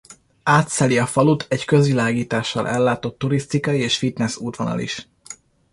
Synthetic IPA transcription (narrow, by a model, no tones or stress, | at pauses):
aːt̪sɛliɒfɒlut̪ʰɛckø̞zʋilaːɡiːt̪aːʃːɒ̰lʔɛ̰lːaːt̪o̞t̪ːuɾist̪ikɒjieːʃfit̪nɛsuːt̪ʋɒnɒ̰lḭʃ